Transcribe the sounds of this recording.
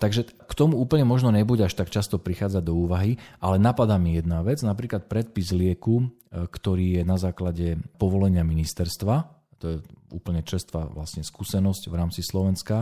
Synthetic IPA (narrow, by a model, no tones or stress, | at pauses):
t̪aɡʒɛkt̪ɔmuuːpl̩ɲɛmɔʒnɔɲɛbuɟaʃt̪akt͡ʃast̪ɔpɾixaːd͡zad̪ɔuːʋaɦiʔalɛnapad̪aːmijɛd̪naʋɛd͡znapɾiːklat̪̚pɾɛt̪̚pizlɪɛku | kt̪ɔɾiːjɛnazaːklaɟɛpɔʋɔlɛɲɪaminist̪ɛɾst̪ʋa | t̪ɔjɛṵːpl̩ɲɛt͡ʃ̩st̪ʋa̰ʋlasɲɛskuːsɛnɔscʋɾaːmt͡sislɔʋɛnska